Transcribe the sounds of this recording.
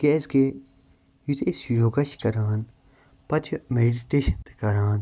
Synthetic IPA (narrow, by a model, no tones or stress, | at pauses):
ɡ̥eːsɡe | jut̪ʰesjoːɡɐʃkɐɾaːn | pɐt͡ʃʰmeːɖiʈeːʃɐnt̪e̥kɐɾaːn